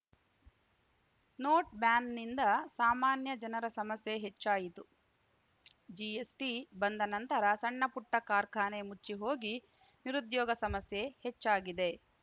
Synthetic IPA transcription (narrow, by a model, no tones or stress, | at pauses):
noːʈ̚bjaːnnind̪ɐsaːmaːnjɐd͡ʒɐnɐɾɐsɐmɐsjeɦet͡ʃːaːjit̪u | d͡ʒiesʈibɐnd̪ɐnɐnt̪ɐɾɐsɐɳːɐpuʈːɐkaːɾkʰaːnemut͡ʃːiɦoːɡi | niɾud̪jɔːɡɐsɐmɐsje̞het͡ʃːaːɡid̪e̞